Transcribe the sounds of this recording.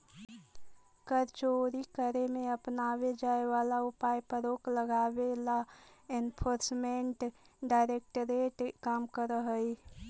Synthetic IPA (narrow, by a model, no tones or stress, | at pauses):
kəɾt͡ʃoɾikəɾemeəpnaβed͡ʒaeʋalaupajpəɾokləɡabelaenpʰoɾsmeɳʈ | ɖaɪɾek̚ʈəɾeʈkamkəɾəɦəj